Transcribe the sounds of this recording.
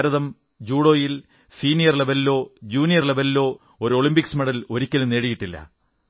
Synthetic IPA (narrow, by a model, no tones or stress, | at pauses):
ɾɐðɐm | d͡ʑuːɽoːjil | siːnijɐrlebelːo̞ːd͡ʑuːnijɐrlebelːo̞ː | oɾuo̞ɭimbiksmeɽɐlo̞ɾikʲːɐlune̞ːɽijiʈːilːɐ̰